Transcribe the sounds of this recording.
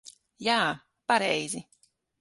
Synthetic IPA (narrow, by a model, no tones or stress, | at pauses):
jaː | paɾɛjzi